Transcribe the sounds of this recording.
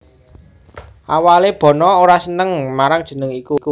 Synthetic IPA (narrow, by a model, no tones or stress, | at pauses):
ʔawaleb̥ɔ̤nɔoɾasənəŋmaɾaŋd̥ʒ̥ə̤nəŋikuku